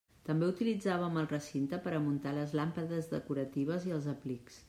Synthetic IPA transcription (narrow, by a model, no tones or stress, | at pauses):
t̪əmbeut̪ilid͡zaβ̞əməlˠrəsint̪əpəɾəmunt̪aləzlampəðəzðəkuɾət̪iβ̞əziəlˠzəpliks